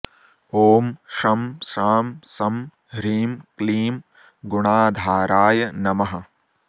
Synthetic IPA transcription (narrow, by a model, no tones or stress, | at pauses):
oːmʂɐmsaːmsɐm | ɾiːmkliːm | ɡuɳaːd̪ʱaːɾaːjɐnɐmɐɦɐ